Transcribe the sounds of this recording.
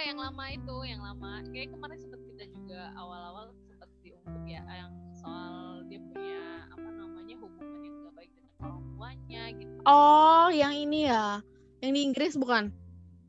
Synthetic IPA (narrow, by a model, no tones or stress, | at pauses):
kajaŋlamait̪ujaŋlamakajakəmaɾɪnsəbət̪̚kidad͡ʒuɡaawalawalsəpərt̪̚diuŋkʊkja̰jaŋsaaldiapuɲaa̰manamaɲahukuŋaɲad͡ʒuɡabaɪk̚danakalampuaɲaɡit̪uʔɔhjaŋinija | jaŋdiːŋɡɾɪsbukan